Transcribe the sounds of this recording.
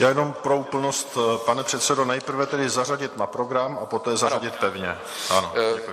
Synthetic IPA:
jaːjɛno̞mpɾoupl̩nost̪panɛpr̥ɛt̪sɛdo̞nɛjpr̩vɛt̪ɛdɪzaraɟɪt̪napɾo̞ɡɾamapo̞t̪ɛːzaɾaɟɪt̪̚pɛvɲɛ | ʔano

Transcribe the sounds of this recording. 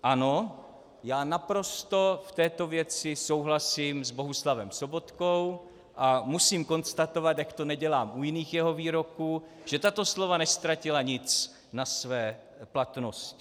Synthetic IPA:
ʔano | jaːnapɾo̞st̪o̞ft̪ɛːt̪o̞vjɛt͡sɪso̞wɦlasiːmzbo̞ɦuslavɛmsobo̞t̪kow | ʔamusiːmko̞nst̪at̪o̞vat̪jakt̪o̞nɛɟɛlaːmʔujɪniːxjɛɦo̞viːɾo̞kuː | ʒ̥ɛt̪at̪o̞slo̞vanɛst̪ɾacɪlaɲɪt͡s | nasvɛː | plat̪noscɪ

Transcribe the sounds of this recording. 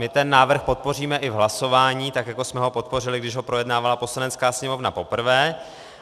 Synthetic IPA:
mɪt̪ɛnːaːvr̩xpo̞t̪̚po̞riːmɛʔɪvɦlaso̞vaːɲiːt̪akjako̞smɛɦo̞po̞t̪̚po̞rɪlɪɡdɪʒɦopɾo̞jɛdnaːvalapo̞slanɛt͡skaːsɲɛmo̞vnapo̞pr̩vɛː

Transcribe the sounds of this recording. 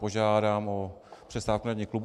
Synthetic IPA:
oʒaːdaːmopr̥ɛst̪aːfkunaɲiklubu

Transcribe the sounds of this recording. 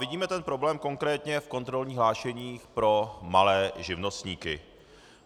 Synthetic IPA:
vɪɟiːmɛt̪ɛnpɾo̞blɛːmko̞ŋkɾɛːt̪ɲɛfko̞nt̪ɾo̞lɲiːxɦlaːʃɛɲiːxpɾo̞malɛːʒɪvno̞st̪ɲiːkɪ̰

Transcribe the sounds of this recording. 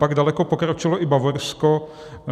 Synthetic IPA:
paɡdalɛkopokɾot͡ʃɪloʔɪbavoɾsko

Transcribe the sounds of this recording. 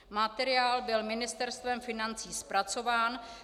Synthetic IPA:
mat̪ɛɾɪaːlbɪlmɪnɪst̪ɛɾst̪vɛmfɪnant͡siːspɾat͡so̞vaːn

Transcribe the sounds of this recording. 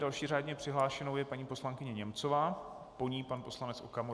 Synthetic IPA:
dalʃiːraːdɲɛpr̥ɪɦlaːʃɛno̞wjɛpaɲiːpo̞slaŋkɪɲɛɲɛmt͡sovaː | po̞ɲiːpanpo̞slanɛt͡sʔo̰kamo

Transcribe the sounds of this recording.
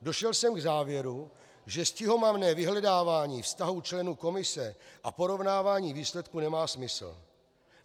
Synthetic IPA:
do̞ʃɛlsɛmɡzaːvjɛɾu | ʒɛscɪɦo̞mavnɛːvɪɦlɛdaːvaːɲiːfst̪aɦut͡ʃlɛnuːko̞mɪsɛʔa̰po̞ɾo̞vnaːvaːɲiːviːslɛt̪kunɛmaːsmɪsl̩

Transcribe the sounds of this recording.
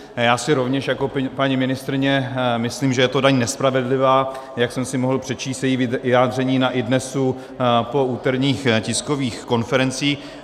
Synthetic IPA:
jaːsɪɾo̞vɲɛʃjakopaɲimɪnɪst̪ɾɪɲɛmɪsliːmʒɛjɛt̪o̞daɲnɛspɾavɛdlɪvaːjaksɛmsɪmoɦl̩pr̥ɛt͡ʃiːst̪jɛjiːvɪjaːdr̝ɛɲiːnaʔɪdnɛsu | po̞uːt̪ɛɾɲiːxcɪskoviːxko̞nfɛɾɛnt͡siː

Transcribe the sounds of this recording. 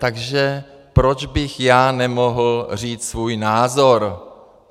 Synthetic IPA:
t̪aɡʒɛ | pɾo̞d͡ʒbɪxjaːnɛmoɦl̩r̝iːt͡ssvuːjnaːzoɾ

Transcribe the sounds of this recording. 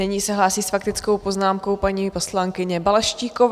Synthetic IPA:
ɪɲiːsɛɦlaːsiːsfakt̪ɪt͡sko̞wpoznaːmko̞wpaɲiːposlaŋkɪɲɛbalɛʃciːkov

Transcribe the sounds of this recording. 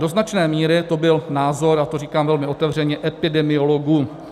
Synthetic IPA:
do̞znat͡ʃnɛːmiːɾɪt̪o̞bɪlnaːzo̞ɾat̪oriːkaːmvɛlmɪʔo̞t̪ɛvr̝ɛɲɛʔɛpɪdɛmɪo̞lo̞ɡuː

